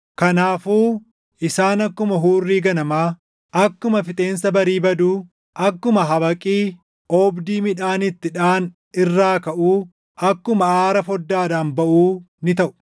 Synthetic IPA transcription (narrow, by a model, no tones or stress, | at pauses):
kɐnaːfuː | ʔɪsaːnɐkːʊmɐɦuːrːiːɡɐnɐmaː | ɐkːʊmɐfɪt̪ʼe̞ːnsɐbɐɾiːbɐd̪uː | ʔɐkːʊmɐɦɐβɐkʼiː | ʔɔːbd̪iːmɪᶑaːnɪt̪ːɪᶑaːn | ɪrːaːkɐʔuː | ʔɐkːʊmɐaːɾɐfɔd̪ːaːd̪aːnbɐʔuː | nɪt̪ɐʔʊ̥